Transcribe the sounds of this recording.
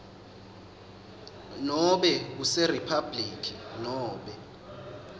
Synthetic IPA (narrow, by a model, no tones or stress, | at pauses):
nɔɓɛk̬useripʰabliːkʰʼinɔːɓɛ